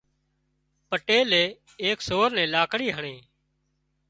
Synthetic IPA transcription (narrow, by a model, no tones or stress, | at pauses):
pəʈeːleː | eːksoːɾnɛ̃ːlaːkɽiːɦəɳeː